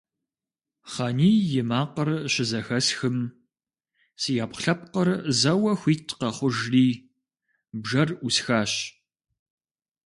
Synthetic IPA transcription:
χɑniːjɪmaːqərɕɪzɐxɐsxɨm | sijaːpχɬɐp̚qərzɐwɐxʷiːtʰqɐχʷʊʒriː | bʒɐrʔʷusxaːɕ

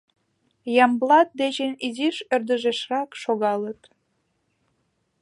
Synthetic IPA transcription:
jɑmblɑt̪̚d̪eʑeniziʃørd̪əʒeʃrɑkʃoɣɑlə̆t̪

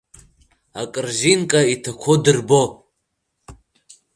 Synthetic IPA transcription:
akʼɨrʒinkʼaitʰakʷʰodɨrbo

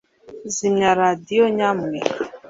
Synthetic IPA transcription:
zimaɾadioɲam̩e

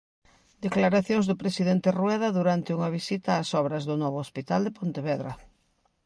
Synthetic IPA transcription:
d̪eklaɾaθjoŋzðʊpɾesiðent̪erwɛðɐðuɾant̪ɪuŋɐβisit̪ɐːsɔβɾɐzðʊnɔβʊospit̪ald̪epont̪eβɛðɾɐ̰

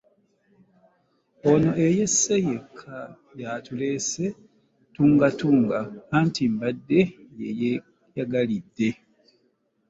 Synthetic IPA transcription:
ono̞ʔe̞je̞sːe̞jekʰːa | jatulese | tuːŋɡatuːŋɡakaːntimbadːe̞jḛje | jaɡalidːe̞

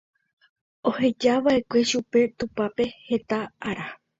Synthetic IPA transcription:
o̞he̞d͡ʒaʋaʔe̞kʷe̞ʃupe̞t̪upape̞he̞t̪aaɾa

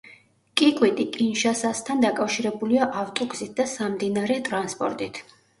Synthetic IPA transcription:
kʼikʼwit̪ʼikʼinʃasast̪ʰand̪akʼafʃiɾɛbuliaʔaft̪ʼɔɡzit̪̚ʰd̪asamd̪inaɾɛt̪ʼɾanspʼɔ̰ɾt̪ʼit̪ʰ

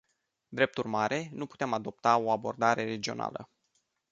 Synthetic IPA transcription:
d̪ɾe̞p̚t̪urʲmaɾʔe̞nupu̥t̪emad̪o̞p̚t̪ao̞abo̞rd̪aɾe̞ɾe̞d͡ʒio̞̰nʔa̰lə̰

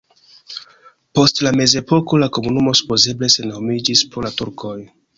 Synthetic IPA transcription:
po̞stlame̞ze̞po̞ko̞lako̞munumo̞su̥po̞ze̞ble̞se̞nomid͡ʒispolatuɾkʰo̞j

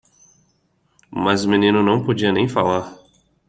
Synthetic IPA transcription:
mɐzʊminĩnʊnɐ̃w̃pod͡ʒiɐnẽj̃falaɾ

